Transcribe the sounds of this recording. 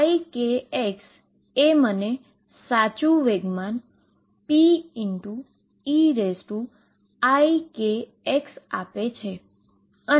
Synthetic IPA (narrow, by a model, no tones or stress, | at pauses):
ikeeks | eməne | sat͡ʃũʋeɡman | piiɳʈu | iɾesʈu | aike | eksapet͡ʃʰe | ə